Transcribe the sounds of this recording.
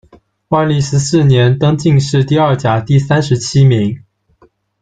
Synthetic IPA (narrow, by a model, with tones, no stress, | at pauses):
wa˥˧nli˥˩ʂɻ̩˧˥sɹ̩˥˩njɛ˨˧˥nt̪ɤ˥ŋt͡ɕi˥˧ŋʂɻ̩˥˧t̪i˥˧ə˞˥˩t͡ɕja˨˩t̪i˥˩sa˥nʂɻ̩˧˥t͡ɕʰi˥mi˧˥ŋ